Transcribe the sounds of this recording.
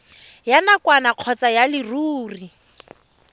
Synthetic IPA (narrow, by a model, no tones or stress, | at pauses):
janakwanaq͡χʰɔt͡sajalɪruːri